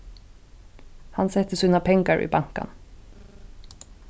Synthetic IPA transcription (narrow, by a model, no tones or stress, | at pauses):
hansɛt̪əsyːnapʰɛŋkaɹʔḭbaŋ̥ka̰n